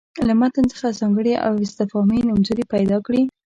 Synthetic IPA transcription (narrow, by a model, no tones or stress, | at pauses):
lamat̪ənt͡sə̥xazɑŋɡəɽiʔa̰wɪst̪ɪfɑminʊmzoɾipajd̪ɑkɽi